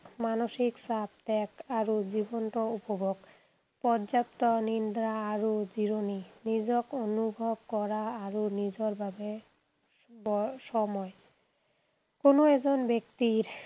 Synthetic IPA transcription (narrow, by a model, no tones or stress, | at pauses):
manoʃiksap̚t̪ɛkaɾod͡ʑibonʈoupobʱoɡ | pɔɾd͡ʑapt̪onind̪ɾaaɾod͡ʑiɾoninid͡ʑokonubʱob̚kɔɾaaɾonid͡ʑoɾbʱabe | bɔʃɔmɔe | konoed͡ʑonbekt̪iɾ